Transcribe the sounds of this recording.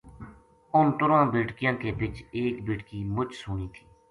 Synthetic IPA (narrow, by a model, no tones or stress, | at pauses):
ʊnt̪ʊɾãːbeːʈkɪjãːkeːbɪt͡ʃeːkbeːʈkiːmʊt͡ʃsʊɳiːt̪ʰi̥ː